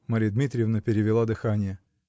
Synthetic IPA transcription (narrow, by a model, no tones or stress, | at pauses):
maɾʲijəd̪mʲit̪ɾʲɪjɪvnəpʲɪɾʲɪvʲɪlˠad̪ɨxanʲɪjə